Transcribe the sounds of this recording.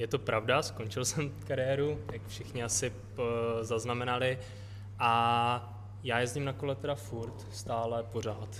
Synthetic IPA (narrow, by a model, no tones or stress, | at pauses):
jɛt̪o̞pɾavdasko̞nt͡ʃɪlsɛmkaɾɪjɛːɾujakfʃɪxɲɪasɪ | zaznamɛnalɪ | ʔa | jaːjɛzɟɪmnako̞lɛt̪ɛdafuɾt̪st̪aːlɛpo̞r̝aːt̪